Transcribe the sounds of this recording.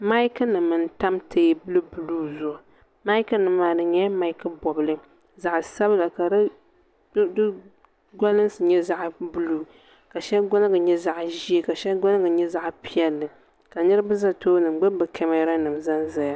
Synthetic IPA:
ma˦jkɨ˦nɨ˨mːɨ˨n˦ta˦mtʰe˦bɨ˦lɨ˦bu˨luː˦zʊ˨ʔʊ˨ | ma˦jkɨ˦nɨ˨maː˨nɨ˨ɲɛ˦ma˦i˦kɨ˦bɔ˨bɨ˨lɨ˦ | za˨ʔsa˦bɨ˦la˨ka˨ɾɨ˦ | dɨ˦ | ɡʷa˦lɨ˦n˦sɨ˨ɲɛ˦za˦ʔbu˦luː˦˨ | ka˨ʃɛ˦lɡɔ˦nɨ˦ɡɨ˨ɲɛ˦za˦ʔʒi˦e˨ka˨ʃɛ˦lɡɔ˦nɨ˦ɡɨ˨ɲɛ˦za˦ʔpi˦jɛ˦lːɨ˨ | ka˨nɨ˦ɾɨ˦bɨ˦za˦toː˦nɨ˨m˦ɡ͡bɨ˦bɨ˨kʰɛ˦mɛ˦ɾa˦nɨ˨mza˦nza˦ja˦

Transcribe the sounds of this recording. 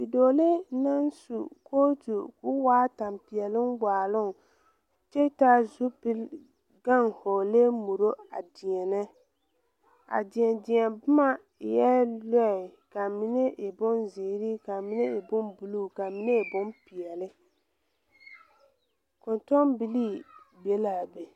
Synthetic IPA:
i˨doː˨le˦na˦n˦sṵ˨koː˦tu˨kʊ˦waː˦ta˨mpi˨ɛ˨lɪ˦nɡ͡baː˨lʊ˦˨ŋ | t͡ʃɛ˦ta˦zu˦pɪ˦l | ɡa˦˨ŋho˨le˦mu˨ɾo˦a̰˨dɪ˨ɛ˨nɛ˦ | a̰˨dɪ˨ɛ˨ndɪ˨ɛ˨nbʊ˦ma˦˨ | jɛ˦lɔ˦ɪ˨ka˨mi˦ne˦ʔɪ˨bʊ˦nze˨ɾi˦ka˨mi˦ne˦ɪ˨bʊ˦nbu˨lu˦˨ka˨mi˦ne˦˨bʊ˦npi˨ɛ˨lɪ˦ | kʊ˨ntɔ˦mbi˨liː˦be˨la˨be˨

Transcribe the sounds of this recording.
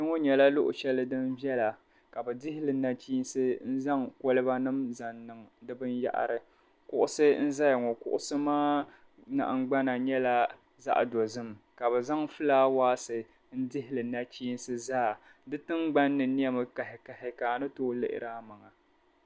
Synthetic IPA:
nɛ˦ŋɔ˦ɲɛ˨la˦lʊ˦ʔʊ̰˨ʃɛ˦lɨ˦dɨ˦m˦bjɛ˦la˨ | ka˨bɛ˨dɪ˦hɪ˦lɨ˨na˦t͡ʃiː˦n˦sɨ˦n̩˦za˦ŋko˦lɨ˦ba˦nɨ˦mza˨nːɨ˨ŋ˨dɨ˦bɨ˦nja̰˦ʔa̰˨ɾɨ˨ | kʊ˦ʔʊ˦sɨ˦n̩˦za˦ja˨ŋɔ˨kʊ̰˦ʔʊ̰˦sɨ˦maː˦ | na̰˨ʔŋ̩˦ɡ͡ba˦na˨ɲɛ˦la˦ | za̰˦ʔdɔ˨zɨ˦mka˨bɛ˨za˦ŋfɨ˦laː˦waː˦sɨ˨ | n̩˦dɪ˦hɪ˦lɨ˨na˦t͡ʃiː˦n˦sɨ˦zaː˦˨ | dɨ˦tɨ˦ŋɡ͡ba˦nːɨ˨ni˦ɛ˦mɨ˨ka˨hɪ˨ka˨hɪ˨kaː˨nɨ˦toː˦lɨ̰˦ʔɪ̰˦ɾaː˦ma˨ŋa˨

